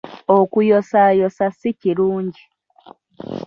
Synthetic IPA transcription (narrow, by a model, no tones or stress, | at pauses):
okujosajosasiciɾuːɲɟi